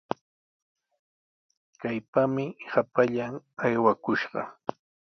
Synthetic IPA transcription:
kajpamɪhapaʎaŋajwakʊʃɢɑ̰

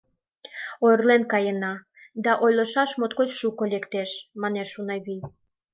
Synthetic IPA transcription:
ojrlenkɑjənɑ | d̪ɑʔojləʃɑʃmot̪kot͡ɕʃukolekt̪eʃmɑneʃunɑjβij

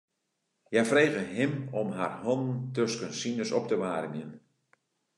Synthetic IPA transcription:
jɛjfrejɣəɦɪmɔmɦa̰rhɔnn̩tøskənsinəsɔp̚təʋaːrmjən

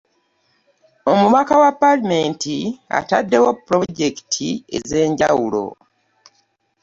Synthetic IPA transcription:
o̞mumakawapːalime̞ntia̰tadːe̞wopɾoɟe̞ki̥tʰie̞̰ze̞ːɲɟawulo̞̰

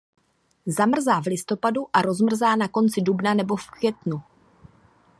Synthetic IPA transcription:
zamr̩zaːvlɪst̪o̞paduʔaɾo̞zmr̩zaːnako̞nt͡sɪdubnanɛbo̞fkvʲjɛt̪nu

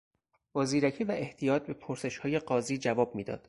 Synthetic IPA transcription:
bɒːziːɾæcʰiːvæʔe̞ht̪ʰijɒːt̪̚be̞pʰoɾse̞ʃhɒːje̞ɢɒːziːd͡ʒævɒːb̥̚miːd̪ɒ̰ːd̪̥

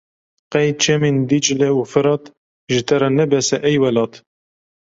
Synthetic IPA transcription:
qɛjt͡ʃʰɛmind̪it͡ʃlɛufɨɾɑt̪ | ʒɨt̪ɛɾɛnɛbɛsɛʔɛjwɛlɑːt̪

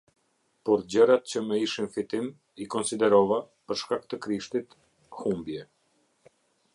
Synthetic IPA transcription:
pɔɾd͡ʑəɾat̪̚t͡ɕəməiʃinfit̪im | ikɔnsid̪ɛɾɔva | pəɾʃkakt̪əkɾiʃt̪it̪ | humbjɛ

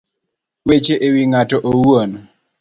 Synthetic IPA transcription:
wet͡ʃeʔewiŋatɔʔowuon

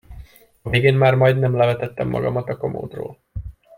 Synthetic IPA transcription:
ɒveːɡeːnmaːrmɒjd̪nɛmlɛvɛt̪ɛt̪ːɛ̰mːɒ̰ɡɒ̰mɒt̪ɒko̞mo̰ːd̪ro̰ːl

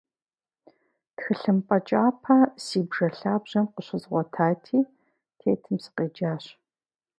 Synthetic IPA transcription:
txɨɬɨmpʼɐt͡ʃʼaːpʰɐsiːbʒɐɬaːbʑ̥ɐmqəɕɪzʁʷɔtʰaːtʰiː | tʰeːtʰɨmsɨ̥qeːd͡ʒaːɕ

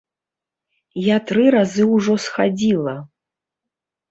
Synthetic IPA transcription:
jat̪ɾɨɾazɨwʐɔsxad͡zʲilˠɐ

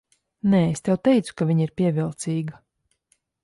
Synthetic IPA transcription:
nɛːest̪ʲɛwt̪ɛjt̪su̥kaviɲiɾpʲiɛvilˠt̪siːɡa

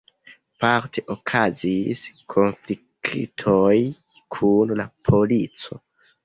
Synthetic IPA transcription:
paɾtʰe̞ʔokʰaziskʰo̞nfli | kʰḭtʰoj | kʰunlapʰo̞lit͡so̞̰

